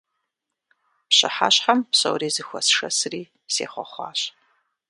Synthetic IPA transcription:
pɕɨ̰ħa̰ɕħampsɐ̰wriːzɨxʷɐ̰sʂɐsriː | seːχʷɔχʷɑ̰ːɕ

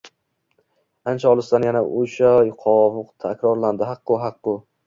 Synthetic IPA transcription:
ant͡ʃʰaɒlˠɪsd̪anjanaʔoʃajqʰɒvʊqt̪ʰakʲɾɒɾland̪ɪɦɑqːʊɦɑqːʊ

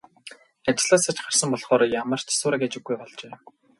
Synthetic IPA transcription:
at͡ɕɪ̆ɮaːsat͡ɕχar̥sə̆mpɔɮχɔːɾɔjamə̆r̥t͡ɕʰḁsʊːɾăkat͡ɕɪ̆ɡːujpɔɮt͡ɕeː

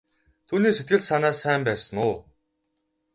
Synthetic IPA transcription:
t̪ʰuːniːset̪̚ɡɘ̆ɮsanaːssæːmpæːsə̆ŋʊː

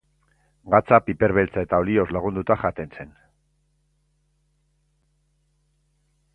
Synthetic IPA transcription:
ɡat͡sapipe̞ɾβe̞lt͡sae̞t̪aolio̞zlaɣ̞und̪ut̪aʝat̪e̞nse̞n

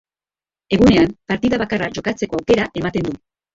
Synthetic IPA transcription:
e̞ɣune̞ampaɾt̪iðaβakaraʝo̞kat͡se̞ko̞awke̞ɾaʔe̞mat̪e̞nd̪u

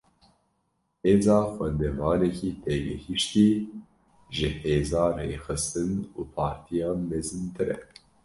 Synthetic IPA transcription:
heːzɑːxʷɛnd̪ɛvɑːnɛkiːt̪ʰeːɡɛ̰hiʃt̪iː | ʒɨheːzɑːrḛːxɨst̪ɨnuːpʰɑːɾt̪ʰijɑːmɛzɨnt̪ʰɨɾɛ̰

